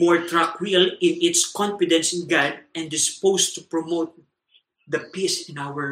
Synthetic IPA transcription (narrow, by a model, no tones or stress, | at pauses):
mɔɹt̪ɹakwilɪ̃nɪt̪skɔ̃nfɪd̪ɛ̃nsɪ̃nɡad̪̚ɛ̃nd̪ɪspoʊst̪upɹɔmot̪̚ | d̪ɐpisɪ̃nawəɹ